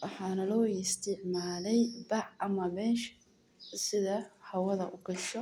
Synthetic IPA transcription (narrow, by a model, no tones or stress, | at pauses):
wɑħɑːnɐlɔːɪst̪ʰɪʕmaːlɛjbɑʕɐmɐbɛːʃ | sɪðɐhɐwɐðɐ̰ʔʊɡɐʃɔ